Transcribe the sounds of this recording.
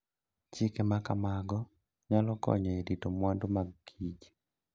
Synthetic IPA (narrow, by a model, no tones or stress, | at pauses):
t͡ʃɪkemakamaɡɔ | ɲalɔkɔ̰ɲɔeditomwandomaɡɡid͡ʒi